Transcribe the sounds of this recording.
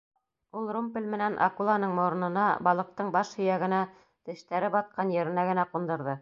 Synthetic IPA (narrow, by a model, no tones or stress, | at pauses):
ulˠrumpɘlʲmɘ̆nænʔɑ̰kulˠɑnɤɴmoɾɤ̆nɤ̆nɑbɑlˠɤ̆q̚t̪ɤɴbɑʃhɵ̆jæɡɘ̆næ | t̪ɘ̆ʃt̪æɾɘbɑt̪̚qɑnjɘ̆ɾɘ̆næɡɘ̆næqund̪ɤ̆ɾðɤ